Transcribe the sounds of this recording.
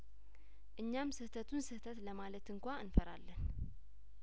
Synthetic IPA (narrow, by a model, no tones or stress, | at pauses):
ʔɨɲːamsɨht̪ʰət̪ʰunsɨht̪ʰət̪ləmalət̪ɨŋkʷaɨnfəɾa̰lːən